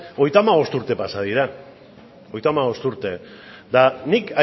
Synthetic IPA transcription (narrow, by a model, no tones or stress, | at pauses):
o̞jt̪amaβ̞o̞st̪uɾt̪e̞pasaðiɾa | o̞jt̪amaβ̞o̞st̪uɾt̪e̞d̪anika